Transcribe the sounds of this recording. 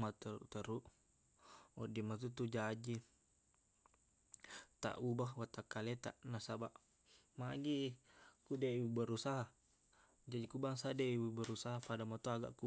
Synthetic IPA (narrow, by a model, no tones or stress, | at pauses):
mat̪əɾṵt̪əɾuʔ | ɔdimat̪̬ut̪ud͡ʒad͡ʒi | t̪a̰ʔubahwat̪akːalɛt̪a̰ʔnasabaʔ | maɡikudɛbəɾusaɦa | d͡ʒad͡ʒikubaŋsadɛiibəɾusaɦapadamat̪oaɡa̰ʔku